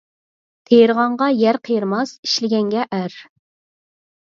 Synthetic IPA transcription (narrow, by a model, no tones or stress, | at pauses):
t̪ʰejɾʁɑɴʁɑjæɾqʰəjɾmɑsi̥ʃlɪɡʲɛŋɡʲɛʔæɾ